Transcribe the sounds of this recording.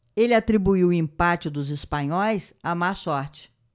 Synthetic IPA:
elɪat̪ɾibuiwʊĩmpat͡ʃɪd̪ʊzɪspɐ̃ɲɔjsamasɔɾt͡ʃɪ̥

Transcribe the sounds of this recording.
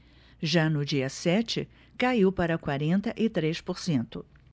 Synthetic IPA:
ʒanʊd͡ʒiɐsɛt͡ʃɪ̰ | kaiwpaɾɐkwaɾẽnt̪ɐʔɪt̪ɾespoɾsẽnt̪ʊ

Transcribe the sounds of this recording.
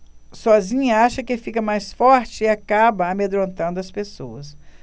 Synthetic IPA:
sɔzĩɲɐaʃɐkɪfikɐmajsfɔɾt͡ʃɪɪakabɐamed̪ɾõnt̪ɐ̃nd̪ʊɐspesowɐs

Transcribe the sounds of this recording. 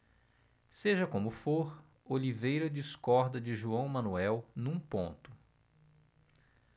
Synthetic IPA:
seʒɐkõmʊfoɾ | olivejɾɐd͡ʒiskɔɾd̪ɐd͡ʒɪʒuɐ̃w̃mɐ̃nuɛwnũpõ̰nt̪ʊ̥

